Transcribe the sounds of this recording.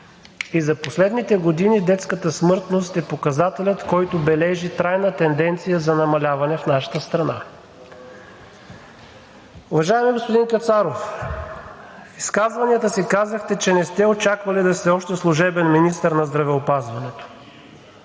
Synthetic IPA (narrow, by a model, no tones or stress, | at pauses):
izɐposlɛd̪nit̪ɛɡod̪inid̪ɛt̪skət̪əsmɤɾt̪nost̪ɛpokɐzat̪ɛlʲət̪kɔjt̪obɛlɛʒit̪ɾajnət̪ɛnd̪ɛnt̪sijəzɐnɐmɐlʲavɐnɛfnaʃə̥t̪əst̪ɾɐna̰ | ʊvɐʒaɛmiɡospod̪inpʲjɛt̪saɾof | iskazvɐniət̪əsikazəxt̪ɛt͡ʃɛnɛst̪ɛot͡ʃakvɐlid̪ɐsɛɔʃt̪ɛslˠʊʒɛbɛnminist̪əɾnɐzd̪ɾɐvɛopazvɐnɛt̪o̥